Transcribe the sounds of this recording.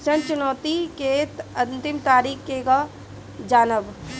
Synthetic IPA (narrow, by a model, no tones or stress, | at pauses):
ʃənt͡ʃʊnɔːt̪ikeɐ̃nt̪ɪmt̪aːɾiːkkeka | d͡ʒaːnəb